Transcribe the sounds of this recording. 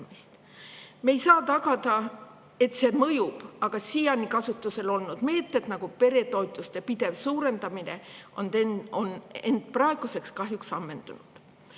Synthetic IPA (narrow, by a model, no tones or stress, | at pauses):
mist̪ | me̞jsɑːt̪ɑɡ̥ɑd̪ɑ | e̞t̪se̞ːmɤjub̥ɑɡ̥ɑsijɑnikɑsut̪ːˑuse̞lo̞lnud̪̥me̞ːt̪ːe̞d̪nɑɡ̥upe̞ɾe̞t̪o̞jt̪ːˑust̪e̞pid̪̥e̞vsuːɾe̞nd̪ɑmine̞̰onone̞nd̪̥̚prɑe̞ɡ̥use̞kskɑɦjuksɑmːe̞nd̪unud̪̥